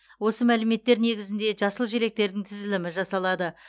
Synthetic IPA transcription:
wo̞səmælɪme̞t̪ːe̞ɾne̞ɡʲɪzɪnd̪e̞ʒɑsəlˠʒeɾe̞k̚t̪e̞ɾd̪ɪŋt̪ʰɪzɪlɪmɪʒɑsɑlˠɑd̪ə

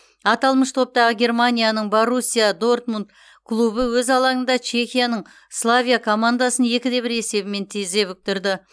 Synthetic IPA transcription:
ɑt̪ɑlˠməʃt̪ʰo̞p̚t̪ɑʁəɡʲe̞rmanʲijanəɴboɾusʲːijad̪o̞rt̪munt̪ | kʰlˠubəwɵzɑlˠɑŋənd̪ɑt͡ʃʰe̞xʲijanəɴ | slˠavʲijakʰo̞mand̪asənje̞kʲɪd̪e̞bɪɾe̞se̞bɪme̞nt̪ʰize̞βʏk̚t̪ɪɾd̪ɪ

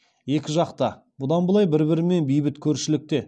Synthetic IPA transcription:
je̞kʲɪʒɑqt̪ɑ | bʊd̪ɑnbəlˠɑjbɪɾbɪɾɪme̞nbijbɪt̪kʲʰɵɾʃɪlɪk̚t̪e̞

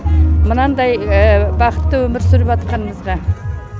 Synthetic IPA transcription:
mənɑnd̪ɑjəbɑqə̥t̪ːəwɵmɪɾsʏɾɪpɑt̪̚qɑnəməzʁɑ

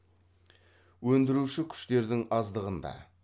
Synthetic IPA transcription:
wɵnd̪ɪɾuʃɪkʲʰʏ̥ʃt̪e̞ɾd̪ɪŋɑzd̪əʁənd̪ɑ̰

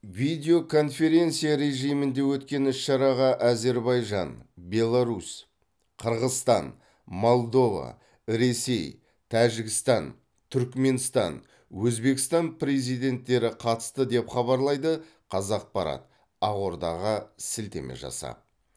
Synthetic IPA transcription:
vijd̪e̞o̞kʰo̞nfe̞ɾʲe̞nt̪sijaɾe̞ʒijmɪnd̪e̞wɵt̪kʲe̞nʏsʃɑɾɑʁɑʔæze̞ɾbɑjʒɑnbe̞lˠaɾus | qʰəɾʁəzst̪ɑ̰n | mo̞lˠd̪o̞vɑ̰ | ɾe̞se̞j | t̪ʰæʒɪɡʲɪst̪ɑn | t̪ʰʏɾkme̞nst̪ɑ̰n | wɵzbe̞kʲɪ̥st̪ɑnpʰɾe̞zijd̪e̞nt̪ːe̞ɾɪqʰɑt̪ə̥st̪əd̪e̞pχɑβɑɾlˠɑjd̪ə | qʰɑzɑq̚pɑɾɑ̰t̪ | ɑʁo̞ɾd̪ɑ̰ʁɑsɪlt̪e̞̰mḛʒɑ̰sɑ̰

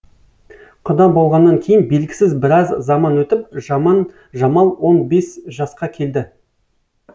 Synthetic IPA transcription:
qʰʊd̪ɑbo̞lˠʁɑnːɑŋkʲʰe̞jɪnbe̞lɡʲɪ̥sɪzbɪɾɑzzɑmɑnwɵt̪ɪp̚ʒɑmɑn | ʒɑmɑlˠwo̞nbe̞sʒɑsqɑkʲʰe̞ld̪ɪ

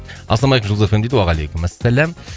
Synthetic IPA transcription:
ʔɑ̰slˠɑmɑlekmʒulˠzafend̪ed̪ɪwɑʁɑlejkʲʊmæsːælæm

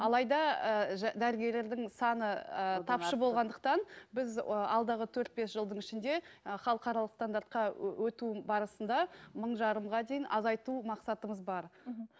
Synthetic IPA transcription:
ɑlˠɑjd̪ɑəʒd̪æɾɡʲe̞ɾle̞ɾd̪ɪŋsɑnət̪ʰɑpʃəbo̞lʁɑnd̪əq̚t̪ɑnbɪzəɑ̰lˠd̪ɑʁət̪ʰɵɾt̪̚be̞sʒəlˠd̪əɴɪʃɪnd̪e̞χɑlˠəqɑɾɑlˠəqst̪and̪aɾt̪̚qɑwɵt̪ubɑɾəsənd̪ɑməɴʒɑɾəmʁɑd̪ejɪnʔɑzɑjt̪umɑqsɑt̪əməzbɑɾ

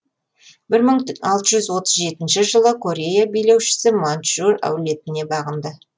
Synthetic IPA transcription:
bɪɾməɴɑlˠt̪əʒʏzwo̞t̪əzʒe̞t̪ɪnʃɪʒəlˠəkʰo̞ɾʲe̞jabejle̞wʃɪ̥sɪmant̪ʃuɾæ̰wle̞t̪ɪne̞bɑʁənd̪ə

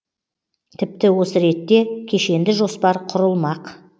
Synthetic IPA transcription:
t̪ʰɪp̚t̪ɪwo̞səɾe̞t̪ːe̞kʲʰe̞ʃe̞nd̪ɪʒo̞spɑɾqʰʊɾəlˠmɑq

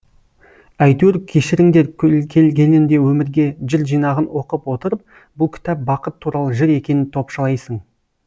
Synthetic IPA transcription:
æjt̪eɾkʲʰe̞ʃɪɾɪŋd̪e̞ɾkʲʰkʲʰe̞lɡʲe̞nɪnd̪e̞wɵmɪɾɡʲe̞ʒɪɾʒijnɑʁənwo̞qəpwo̞t̪əɾəp̚ | bʊlˠkʲʰɪ̥t̪æp̚bɑqət̪ʰːuɾɑlˠəʒɪɾe̞kʲe̞nɪnt̪ʰo̞pʃəlˠɑjsəɴ

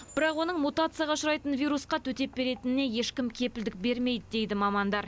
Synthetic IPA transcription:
bɪɾɑqwo̞nəɴmut̪at̪sɨjaʁɑʃʊɾɑjt̪ənvʲijɾusqɑt̪ʰɵt̪e̞p̚be̞ɾe̞t̪ɪnɪne̞je̞ʃkʲɪmkʲʰe̞pɪld̪ɪk̚be̞ɾme̞jd̪ɪd̪e̞jd̪ɪmɑmɑnd̪ɑɾ

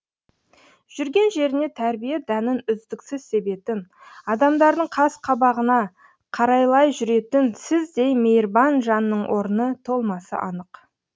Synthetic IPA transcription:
ʒ̥ʏɾɡʲe̞nʒe̞ɾɪne̞t̪ʰæɾbijed̪ænɪnʏzd̪ɪksɪzse̞be̞t̪ɪnɑd̪ɑmd̪ɑɾd̪əɴqʰɑsqʰɑbɑʁənɑ | qʰɑɾɑjlˠɑjʒʏɾe̞t̪ɪnsɪzd̪e̞jme̞jɾbɑnʒɑnːəɴwʔo̞ɾənət̪ʰo̞lˠmɑsə̰ʔɑnəq

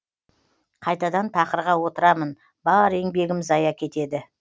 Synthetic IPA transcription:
qʰɑjt̪ɑd̪ɑnt̪ʰɑqəɾʁɑwo̞t̪əɾɑmən | bɑɾe̞ŋbe̞ɡʲɪmɪzɑjɑkʲʰe̞t̪e̞d̪ɪ

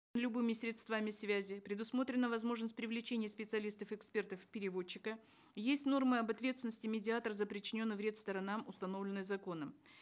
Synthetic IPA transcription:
lʲʊbɨmʲɪsʲɾʲɪt̪st̪vamʲɪsvʲæzʲɪpɾʲɪd̪ʊsmo̞t̪ɾʲɪnːəvɐzmo̞ʐnəsʲt̚ʲpɾʲɪvlʲɪt͡ɕenʲɪjəspʲɪt̪sɨɐlʲist̪əfɛkspʲe̞rt̪əfpʲɪɾʲɪvo̞t͡ɕːɪkə | jesʲtʲno̞rmɨɐbɐt̪vʲet̪sʲɪnəsʲtʲɪmʲɪdʲɪat̪əɾəzəpɾʲɪt͡ɕːɪnʲo̞nːɨvɾʲet̪st̪əɾɐnamʊst̪ɐno̞vlʲɪnːɨjzɐko̞nəm

